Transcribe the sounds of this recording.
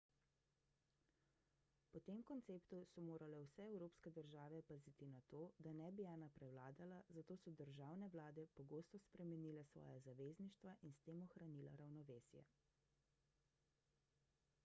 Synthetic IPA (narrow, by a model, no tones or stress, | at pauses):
pɔt̪eːmkɔnt̪seːpt̪usɔmoːɾalɛwsɛɛwɾoːpskɛd̪əɾʒaːʋɛpazit̪inat̪oːd̪anɛbianapɾɛwlaːd̪alazat̪oːsɔd̪əɾʒaːwnɛʋlaːd̪ɛpɔɡoːst̪ɔspɾɛmɛniːlɛsʋɔ̰ːjazaʋeːzniʃt̪ʋaʔinst̪eːmɔxɾaniːla̰ɾawnɔʋeːsjɛ̰